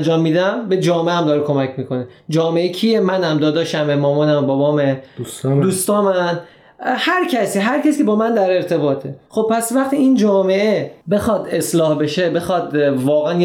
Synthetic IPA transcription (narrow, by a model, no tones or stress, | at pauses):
nd͡ʒɒːmːiːd̪æmbe̞d͡ʒɒːmeʔæmd̪ɒːɾekʰo̞mæcʰmiːkʰo̞ned͡ʒɒːme̞ʔecʰijemænæmd̪ɒːd̪ɒːʃæmemɒːmɒːnæmbɒbɒːmeud̪uːst̪ɒːmæn | hæɾcʰæsiːɦæɾcæsicʰʲebɒːmænd̪æɾe̞ɾt̪ʰe̞bɒːt̪ʰe̞xo̞b̚pʰːæsvæχt̪ʰiːind͡ʒɒːme̞ʔebe̞xɒːd̪eslɒːhbe̞ʃe̞be̞xɒd̪vɒːɣeænj